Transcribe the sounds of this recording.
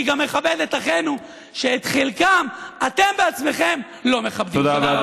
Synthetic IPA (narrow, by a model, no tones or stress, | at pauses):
iɡamːeχabed̪etaχenu | ʃeːt̪χelkamat̪e̞mbe̞at͡sme̞χe̞m | lo̞meχabdid̪a